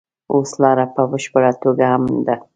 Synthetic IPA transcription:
oslɑɾapəbəʃpəɽat̪oɡahamd̪a

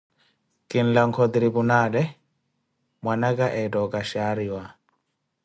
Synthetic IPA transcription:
kʼin̩laŋkʰɔd̪ɾibunalɛ | mwanakʼaʔɛtɔkʼaʃaɾiwa

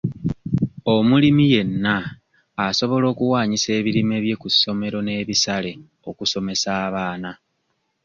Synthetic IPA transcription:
o̞mulimije̞nːaː | so̞βo̞lo̞ːkuwaːɲise̞ːβiɾime̞βje̞kusːo̞me̞ɾo̞ne̞ːβisale̞ | o̞kuso̞me̞saːβaːna

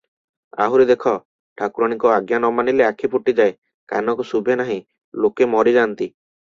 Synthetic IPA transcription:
a̰ɦuɾid̪ekʰɔ | ʈʰakuɾɔɽ̃ikɔaɡjanɔmanileakʰipuʈid͡ʒae | ka̰nɔkusubʱenaɦĩ | lokemɔɾid͡ʒant̪i

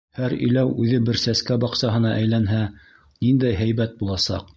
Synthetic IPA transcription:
hæɾḭ̆jlæwʉðɘbɘɾsæskæbɑqsɑɦɤ̆nɑʔæjlænɦæ | nind̪æjɦæjbæt̪̚bulˠɑsɑ̰q

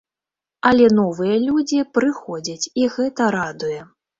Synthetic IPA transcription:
ɐlʲɛnɔvɨjɐlʲud͡zʲipɾɨxɔd͡zʲɐt͡sʲiɣɛt̪ɐɾad̪ujɛ

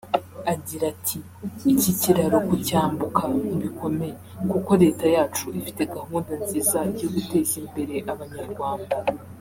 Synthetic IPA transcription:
aɟiɾatʰiː | ciciɾaɾo̞kucaːmbukʰaniβiko̞me̞jekuko̞ɾe̞ːtajaːt͡ʃuʔifite̞ɡahuːndanziːzaɟoɡute̞ːzimbe̞ɾe̞ʔaβaɲaɾɡwaːnda

